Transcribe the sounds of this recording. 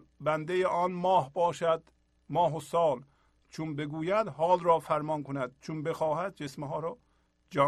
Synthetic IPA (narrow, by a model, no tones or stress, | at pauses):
bænd̪ejeʔɒːnmɒːhbɒːʃæd̪ | mɒːɦosɒːl | t͡ʃʰunbeɡuːjæd̪hɒːlɾɒːfæɾmɒːnkʰonæd̪̥̚t͡ʃʰunbexɒːɦæd̪̚d͡ʒesmeɦɒːɾɒː | d͡ʒɒ